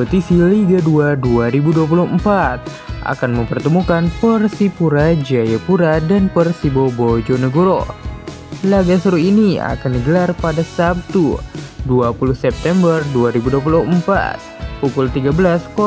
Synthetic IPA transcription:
pət̪isiliɡaduaduaɾibuduap̬uluhəmpat̪̚ | ʔa̰kanməmpərt̪əmukanpərsipuɾad͡ʒajapuɾadanpərsibobod͡ʒonəɡoɾo | laɡasəɾuinia̰kandiɡəlarpadasap̚t̪uduapuluhsɛp̚t̪ɛmbərduaɾibuduap̬uluhəmpa̰t̪̚pukʊlt̪iɡabəlaskɔ

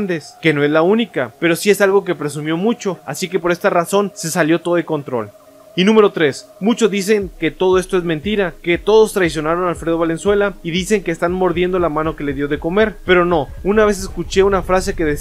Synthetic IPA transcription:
nd̪eske̞no̞e̞zlaunikape̞ɾo̞siesalɣo̞k̬e̞pɾe̞s̬umjo̞mut͡ʃo̞asike̞po̞ɾe̞st̪araso̞nse̞saljo̞t̪o̞ðeko̞nt̪ɾo̞̰l | inũme̞ɾo̞t̪ɾe̞s | mut͡ʃo̞zðis̬e̞ŋke̞t̪o̞ð̞o̞e̞st̪o̞e̞zmẽnt̪iɾake̞t̪o̞ð̞o̞st̪ɾajsjo̞naɾo̞nalfɾe̞ðoβale̞nswe̞laiðise̞ŋkeːst̪anmo̞ɾðje̞nd̪o̞lamãno̞ke̞le̞ðjoðe̞ko̞me̞ɾpe̞ɾo̞no̞unaβ̞e̞s̬eskut͡ʃe̞unafɾase̞ke̞ðes

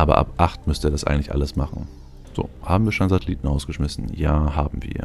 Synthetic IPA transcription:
ʔaːbɐ̰ʔa̰pʔaχtmʏstəɛːɐɾasʔaɪŋ̩tlɪçʔa̰ləsmaχn̩ | z̥o̰ːhaːbm̩viːɐʃonzatʰɛliːtn̩ʁaʊsɡ̥əʃmɪsn̩jaːhaːbm̩vḭːɐ

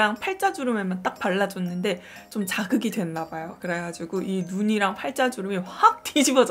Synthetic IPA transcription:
aŋpʰaɭt͡ɕ͈ad͡ʑuɾɯmemant͈ak̚paɭːad͡ʑʌnːɯnde̞ | t͡ɕomt͡ɕaɡɯɡidwe̞nːabajokɯɾe̞ɡad͡ʑiɡuʔinuɲiɾaŋpʰaɭt͡ɕ͈ad͡ʑuɾɯmiak̚t͈ʰiɕʰibʌd͡ʑ

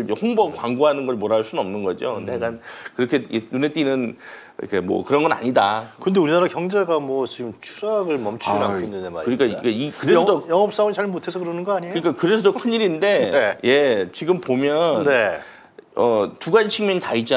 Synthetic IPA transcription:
ehoŋbʌkwaŋɡoɦanɯnɡʌɭmoɾaɭs͈unʌmnɯnɡʌd͡ʑo̰kɯndeɡankɯɾʌkʰe̞enune̞t͈inɯn̰ | kʰe̞mwʌ̰kɯɾʌnɡʌna̰ɲidakɯɯnd̪e̞uɾinaɾakjʌŋd͡ʑeɡamwʌt͡ɕiɡɯmt͡ɕʰuɾaɡɯɭmʌmt͡ɕʰuɾaendenɯnma̰ɾikɯɲik͈aikeikɯɾeʌdojʌŋʌp̚s͈aumit͡ɕaɭmotʰesʰʌkɯɾʌnɯnɡʌaɲekɯɲik͈akɯɾe̞sʰʌdokʰɯniɾinde̞neje̞t͡ɕiɡɯmpomjʌnne | ʌtuɡant͡ɕʰiŋmjʌnitaid͡ʑa

